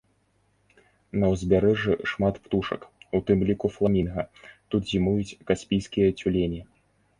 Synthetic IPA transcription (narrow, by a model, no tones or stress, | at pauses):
nɐwzʲbʲaɾɛʐɨʂmat̪pt̪uʂɐ̰kut̪ɨmlʲikuflˠamʲinɣɐt̪ut̪zʲimujut͡sʲkasʲpʲijskʲijɐt͡sʲulʲenʲi